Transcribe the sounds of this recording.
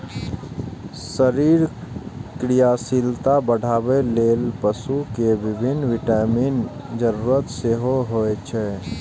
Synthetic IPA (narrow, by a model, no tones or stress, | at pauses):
səɾiɾkɾijasilt̪abəɽ̤ʱabelelpəsukebibʱinːʋiʈamin | d͡ʒəɾuɾət̪seɦoɦoet͡ʃʰɛ